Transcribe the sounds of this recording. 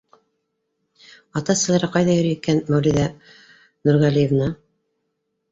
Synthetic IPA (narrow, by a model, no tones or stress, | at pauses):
ɑt̪ɑsɤ̆lˠɑɾɑqɑjðɑjɵ̆ɾɘjikænmæwlʲiðæ | nɵɾʁælʲijevnɑ